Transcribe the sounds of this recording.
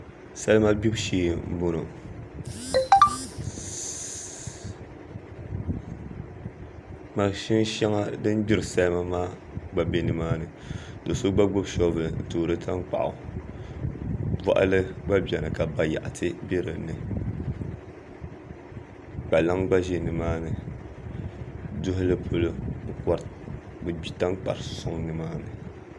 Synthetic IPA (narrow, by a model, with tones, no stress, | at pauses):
sa˦lɨ˦ma˦bi˦bʃiː˦˨m̩˦bo˦no˨ | ma˨ʃi˦n˦ʃa˦ŋa˦dɨ˦m˦bi˦ɾɨ˨sa˦lɨ˦ma˦maː˦ | ɡ͡ba˨be˨nɨ˨maː˦nɨ˨ | dɨ˨so˦ɡ͡ba˦ɡ͡bo˦bʃɔ˦vɨ˨n̩˨toː˨ɾɨ˦tʰa˦ŋ˦k͡pa̰˨ʔʊ̰˨ | ba̰˨ʔa̰˦lɨ˦ɡ͡ba˦bi˨ɛ˨nɨ˨ka˨ba˨ja̰˨ʔa˨tʰɨ˦be˦ɾɨ˨nɨ˨ | k͡pa˨la˦ŋɡ͡ba˦ʒe˦nɨ˨maː˦nɨ˨ | dʊ˦ɦʊ˦lɨ˦pʰo˦lo˦˨kɔ˨ɾ | bɨ˨bi˨ta˦ŋ˦k͡pa̰˨ɾsʊ˦ŋnɨ˨maː˦nɨ˨